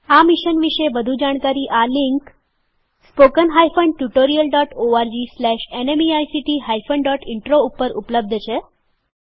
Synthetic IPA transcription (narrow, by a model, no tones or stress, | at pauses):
amiʃənʋiʂəebəd̪ʱud͡ʒaɽ̃kaɾiːʔaliŋk | spokənɦajfəɳɖʈjuʈoɾijəlɖɔʈoaɾd͡ʑislɛʃenemiajsiʈiɦajfəɳɖɔʈiɳʈɾoupːəɾupləb̚d̪ʱət͡ɕʰe